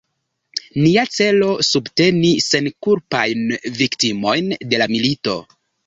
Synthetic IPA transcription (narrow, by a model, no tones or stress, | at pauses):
niat͡se̞lo̞subte̞nise̞nkuɾpajnviktimo̞jnde̞lamilito̞̰